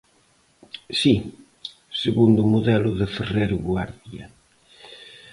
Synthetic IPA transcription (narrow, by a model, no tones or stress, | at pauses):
si | seɣund̪ʊmoðɛlʊðɪferejɾʊɣwaɾðiɐ